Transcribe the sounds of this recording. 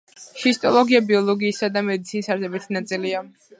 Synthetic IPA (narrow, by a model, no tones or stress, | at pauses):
ʃist̪ʼɔlˠɔɡiabiɔlˠɔɡiːsad̪amɛd̪it̪sʰinisaɾsɛbit̪ʰnat̪sʼilia